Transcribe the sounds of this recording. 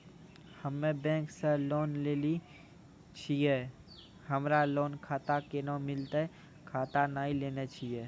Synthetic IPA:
həmːẽbɛ̃ːŋkseloːnleːli | t͡ʃʰie | həmɾaloːnkʰaːt̪akenamɪlt̪aɛ | kʰaːt̪anaːileːnet͡ʃʰie

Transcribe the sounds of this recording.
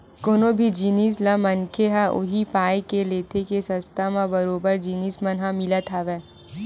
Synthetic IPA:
koːnobʱid͡ʒiːniːslãmɐnkʰeɦãʔʊ̰ɦipaːjkeleːt̪ʰekesɐ̃st̪ʰamãbɐɾoːbəɾd͡ʒiːniːsmɐnɦãmɪlat̪ʰaːʋɛː

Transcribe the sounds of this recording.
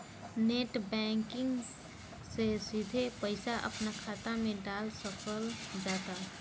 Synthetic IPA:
neːʈbɛ̃ːŋkɪ̃ŋɡ | sesid̪ʱepəɪsaʔə̰pnakʰaːt̪amẽɖaːlsəkəld͡ʒaːt̪a

